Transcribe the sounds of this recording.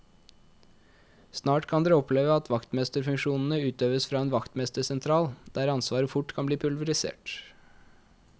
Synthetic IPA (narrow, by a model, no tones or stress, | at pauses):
snɑːʈkʰɑnd̪eːɔpʰleːʋəɑt̪ʰʋɑkt̪mɛst̪əɾfʉŋʃuːnn̩əʉːt̪øːʋəsfɾɑːeːnʋɑkt̪mɛst̪əsɛnt̪ʰɾɑːld̪̥æːɾɑnsʋɑːɾəfʊʈkʰɑnbliːpʰʉlʋəɾɪsḛːʈ